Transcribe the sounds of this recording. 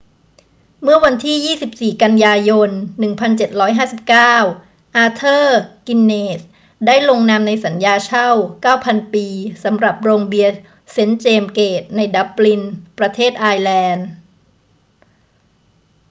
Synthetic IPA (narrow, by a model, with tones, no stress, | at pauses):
mɯ˥˩ɐwa˧nt̪ʰiː˥˩jiː˥˩si˨˩p̚siː˨˩ka˧njaː˧jo˧nːɯ˨˩ŋpʰa˧nt͡ɕe˨˩t̪̚ɾɔː˦˥jɦaː˥˩si˨˩p̚kaː˥˩w | ʔaː˧t̪ʰɤː˥˩ki˧nːeː˨˩s | daː˥˩jlo˧ŋnaː˧mna˧jsa˩˦njaː˧t͡ɕʰa˥˩wkaː˥˩wpʰa˧npiː˧sa˩˦mɾa˨˩p̚ɾoː˧ŋbi˧ɐ | se˦˥nt͡ɕeː˧mkeː˨˩t̪̚na˧jda˦˥p̚li˧npɾa˧t̪ʰeː˥˩t̪̚ʔaː˧jlɛː˧n